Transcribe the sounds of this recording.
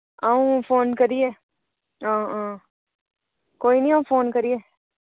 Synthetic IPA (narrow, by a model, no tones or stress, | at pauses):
aũfoːnkɐɾieː | ãːãː | koːinĩaːũfoːnkɐɾieː